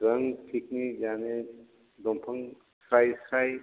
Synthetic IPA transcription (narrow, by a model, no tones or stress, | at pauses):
ɾəŋtʰik̚nid͡ʒane | dɔmpʰɐŋ | sɾajsɾaj